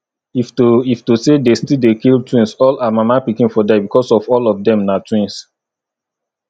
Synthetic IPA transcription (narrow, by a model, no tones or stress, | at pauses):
iftiftusedestildekiltʰwĩnsɔlamamapikĩnfɔdɛbikʰɔsɔfɔlɔfdɛ̃mnatwĩns